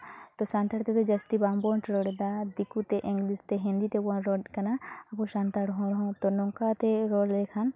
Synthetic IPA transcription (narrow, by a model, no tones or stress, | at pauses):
t̪osãnt̪aɾt̪et̪ed͡ʒɐst̪ibaːmbont͡ʃɾoɽed̪ad̪ikut̪eʔɪ̃ŋɡlist̪eɦĩnd̪it̪ebonɾoɖkɐnaɐpuʃãːnt̪aɾɦõɾɦõt̪onoŋkat̪eɾoːlekʰan